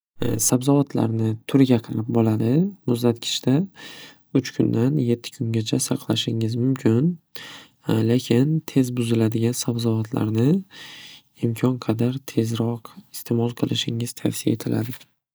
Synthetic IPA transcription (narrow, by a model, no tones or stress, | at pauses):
sabzɒvat̪ʰla̰ɾnɪt̪ʰʊɾɡʲaqʰɑɾɪp̚bɒlad̪ɪmʊzd̪at̪kʲʰɪ̥t͡ʃt̪a | ʊt͡ʃkʰʊnd̪anje̞t̪ʰːɪ̥kʰʊŋɡʲat͡ʃʰasɑqlˠaʃɪŋɪzmʊmkʲʰɪn | lekʲʰɪnt̪ʰe̞zbʊzɪlad̪ɪɡʲansabzɒvat̪ʰla̰ɾnɪ | ɪmkʲʰɒnqʰɑd̪aɾt̪ʰe̞zɾɒqɪ̥st̪ʰe̞mɒlˠqʰɨlˠɪʃɪŋɪz̥t̪ʰafsia̰et̪ʰɪlʔa̰d̪ɪ